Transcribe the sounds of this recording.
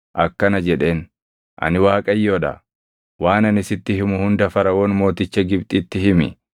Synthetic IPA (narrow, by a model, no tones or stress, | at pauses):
ʔɐkːɐnɐd͡ʒɛᶑe̞ːn | ʔɐ̰nɪwaːkʼɐjːoːᶑɐ̰ | waːnɐnɪsɪt̪ːɪhɪmʊhʊnd̪ɐfɐɾɐwoːnmo̞ːt̪ɪt͡ʃːɐɡɪbt̪ʼɪt̪ːɪɦɪmɪ̰